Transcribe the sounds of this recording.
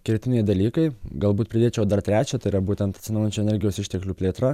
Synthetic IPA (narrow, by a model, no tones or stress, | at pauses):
kʲɪɾʲt̪ʲɪnʲɛɪd̪ɐlʲiːkɐɪɡɐlˠbuːt̪̚pʲɾʲɪd̪ʲeːt͡ʃʲɛʊd̪ɐɾt̪ʲɾʲæːt͡ʃʲɛt̪ɐɪɪɾɐbuːt̪ʲɛnt̪ɐt̪ʲsʲɪnɐʊjɛnʲt͡ʃʲuːɛnʲɛɾʲɡʲɪjoːsɪʃʲt̪ʲɛklʲuːpʲlʲeːt̪ɾɐ